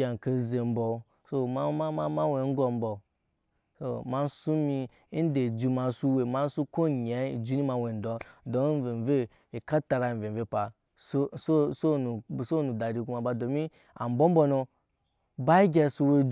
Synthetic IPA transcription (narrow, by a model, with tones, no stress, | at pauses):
a˨ka˨ze˨m̩˦bo˨ | so˦ma˦a˦ma˦ma˦we˨˦ŋ̩˦ɡo˨m˦bo˨ | so̰˦˨ma˦n˦su˦mi˧˦ | n˦de˨d͡ʒu˨˧ma˨su˦we˨ma˦n˦su˦ko˦˨ɲ˨e˨˦i˨d͡ʒu˦ni˦ma˨we˨n˨dɔ˨do˨˦ve˨ve˦ | i˨ka˦ta˧ɾa˨ve˨ve˦pa˨ | so˦so˦so˦nu˨so˦nu˨da˨ɾi˨ku˦ma˨ba˨do˨mi˦ | a̰˨m̩˨bo˦m̩˦bo˧no˧ | ba˦i˦ɡʲe˦su˧we˦d͡ʒ